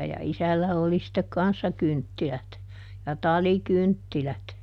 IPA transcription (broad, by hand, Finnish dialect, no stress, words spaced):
jɑ isælːæ oli sitːek kɑnsːɑ kyntːilæt jɑ tɑlikyntːilæt